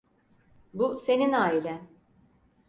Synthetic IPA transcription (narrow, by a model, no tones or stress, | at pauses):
buse̞ninaːilʲɛ